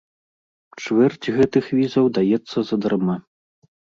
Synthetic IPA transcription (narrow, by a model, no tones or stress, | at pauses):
t͡ʂvɛrd͡zʲɣɛt̪ɨxvʲizɐwd̪ajɛt̪sːɐzɐd̪ɐrma